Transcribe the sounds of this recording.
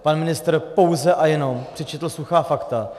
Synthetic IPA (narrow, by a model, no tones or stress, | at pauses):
panmɪnɪst̪rpo̞wzɛʔajɛno̞mpr̥ɪt͡ʃɛt̪l̩suxaːfakt̪a